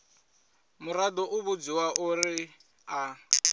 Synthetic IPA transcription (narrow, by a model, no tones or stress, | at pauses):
mʊradɔʔuβud͡ziwaʔʊrɪ | a